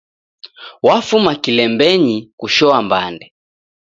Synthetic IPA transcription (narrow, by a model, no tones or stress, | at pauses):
wafumakilɛmbɛɲikuʃɔambandɛ